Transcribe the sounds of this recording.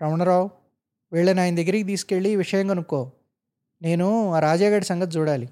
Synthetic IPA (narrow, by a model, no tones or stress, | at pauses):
ɾɐʋɳɐɾaːw | ʋeːɭːenaːjind̪eɡɾiɡed̪iːskeːɭiːʋiʂɐjɐŋɡɐnukːoː | ne̞ːnuaːɾaːd͡ʒjaːɡɐʈisɐŋɡɐt̪̚d͡ʒuːɽaːli